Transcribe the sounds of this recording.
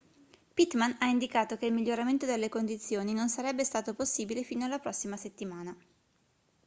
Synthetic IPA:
pit̪manaind̪ikaːt̪okeilmiʎːoɾament̪od̪elːekond̪it̪sːjoːninonsaɾɛbːest̪aːt̪oposːiːbilefiːnoalːapɾɔsːimaset̪ːimaːna

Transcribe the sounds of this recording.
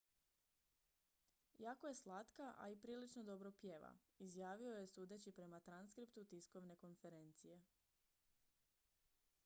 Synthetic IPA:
jaːko̞je̞slˠat̪kaʔa̰ipɾiːlit͡ʃnod̪o̞bɾopje̞ːʋa̰ | izjaːʋio̞je̞suːd̪et͡ɕipɾe̞mat̪ɾanskɾipt̪ut̪isko̞ʋne̞ko̞nfe̞ɾe̞nt̪sije̞

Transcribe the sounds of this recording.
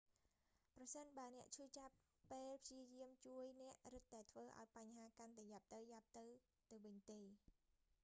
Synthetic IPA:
prɑsənɓaənɛ̆əʔt͡ɕʰuːt͡ɕapː | eːlpʰjiəjiəmt͡ɕuəjnɛ̆əʔrɨt̪̚ːaɛt̪ʰʋəːʔa̰ɔjpaɲhaːkant̪aɛjap̚t̪ɨwjap̚t̪ɨw | t̪ɨwʋɨɲt̪eː

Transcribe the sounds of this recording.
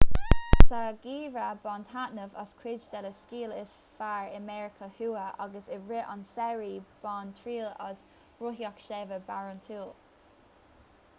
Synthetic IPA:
saɡiːvɹabɔntʰaʔnəvə̰skʰwɪd͡ʒdɛləskiːlɪs | faɹəmɛɹɪkʰəhuːəʔɑɡəsɪɹɪʔə̰nsɛɹib̥ɔntʰɹiːlɔ̰z | ɹʊɦiɔkʃɛvəbaɹʊntʰuːlˠ

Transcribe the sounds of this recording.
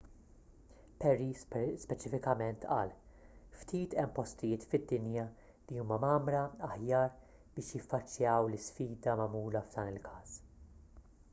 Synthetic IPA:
pɛɾispɛt͡ʃɪfɪkɐmɛnt̪ʔɐːlft̪iːt̪ɛmːpɔst̪ɪjɪːt̪fɪd̪ːɪnjɐ | liuːmɐmɐːmɾɐɐħjɐːɾ | b̥ɪːʃjɪfːɐt͡ʃːjɐːwlɪsfiːd̪ɐmɐmuːlɐvd̪ɐːnɪlkʰɐːs

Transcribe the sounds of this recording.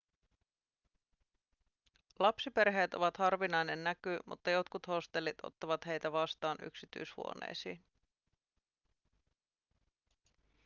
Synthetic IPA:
lɑpsipe̞rɦe̞ːt̪o̞̰ʋɑt̪hɑrʋinɑjne̞nːækymṵt̪ːɑjo̞t̪kut̪ho̞st̪e̞lːit̪o̞̰t̪ːɑʋɑt̪he̞jt̪æʋɑst̪ɑːny̰ksit̪y̰jshṵo̞̰nḛːsḭːn

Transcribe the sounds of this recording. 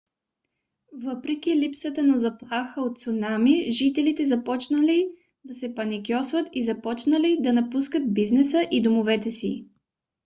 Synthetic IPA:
vɤpɾɛk̟ʲilipsət̪ənɐzɐplˠaxəot̪t̪sʊnamiʒit̪ɛlit̪ɛzɐpɔt͡ʃnəli | d̪ɐsɛpɐnikʲjɔsvət̪izɐpɔt͡ʃnəlid̪ɐnɐpuskət̪̚biznɛsəʔid̪omovɛt̪ɛsḭ

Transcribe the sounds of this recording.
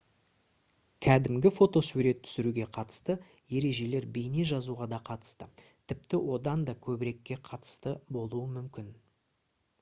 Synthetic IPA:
kʲʰæd̪ɪmɡʲɪfo̞t̪o̞suɾe̞t̪ʰːʏ̥sɪɾuɡʲe̞qʰɑt̪ə̥st̪ə | je̞ɾe̞ʒe̞le̞ɾbe̞jne̞ʒɑzuʁɑd̪ɑqʰɑt̪ə̥st̪ə | t̪ʰɪpt̪ɪwo̞d̪ɑnd̪ɑkʲʰɵbɪɾe̞kʲːe̞qʰɑt̪ə̥st̪əbo̞lˠuəmʏmkʲɪn

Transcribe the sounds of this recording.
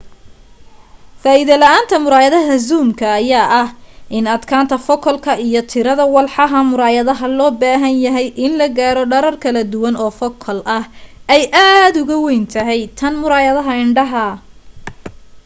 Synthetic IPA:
faːɪðɐlɐʔaːnt̪ʰɐmʊɾaːjɐðɐɦɐzuːmkʰɐːjaːʔɐhʔɪnɐd̪kʰaːnt̪ʰɐfɔkʰɔlkʰɐijɔt̪ʰɪɾɐðɐwɑlħɑɦɐmʊɾaːjɐðɐɦɐlɔːbaːɦɐnjɐɦɛjʔɪnlɐɡaːɾɔɖɐɾɐrkʰɐlɐd̪ʊwɐnɔːfɔkʰɔlʔɐhʔɛjʔaːd̪ʊɣʊwɛjnt̪ʰɐɦɛjt̪ʰɐnmʊɾaːjɐðɐɦɐɪɳɖɐɦɐ

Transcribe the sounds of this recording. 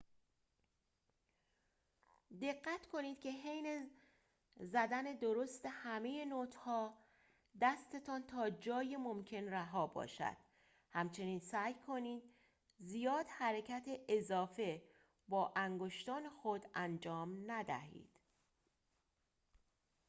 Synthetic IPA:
d̪e̞ɢːæt̪kʰo̞niːd̪̚kʲʰe̞ɦejne | zæd̪æne̞d̪oɾost̪e̞hæme̞jenoːt̪ʰhɒː | d̪æst̪e̞t̪ʰɒːnt̪ʰɒːd͡ʒɒːjemomcʰe̞nræɦɒːbɒ̰ːʃæ̰d̪̥ | hæmt͡ʃʰe̞niːnsæːjkʰo̞niːd̪̚ | zijɒːd̪̥hæɾecʰæt̪ʰeʔezɒːfe̞ | bɒːʔæŋɡoʃt̪ɒːnexo̞d̪ænd͡ʒɒːmnæd̪æ̰ɦḭːd̪̥

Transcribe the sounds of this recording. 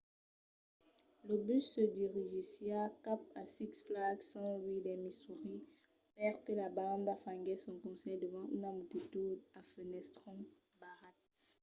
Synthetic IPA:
ləbysːəd̪iʁiʒisjakapasiksflaksɑ̃wid̪ɛmisuʁi | pɛʁkəlabãd̪afãŋɡɛsɔ̃kɔ̃sɛd̪əvɑ̃ʔynamut̪it̪ud̪afənɛst̪χɔ̃ | baʁat̪

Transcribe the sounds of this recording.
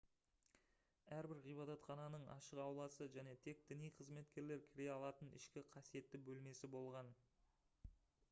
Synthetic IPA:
æɾbɪɾʁijbɑd̪ɑt̪χɑnɑnəɴɑ̰ʃəqɑwlˠɑsəʒæne̞t̪ʰe̞k̚d̪̥ɪnijqʰəzme̞t̪kʲe̞ɾle̞ɾkʲʰɪɾe̞ɑlˠɑt̪ənɪ̰ʃkʲɪqʰɑsije̞t̪ːɪbɵlme̞sɪbo̞lˠʁɑn

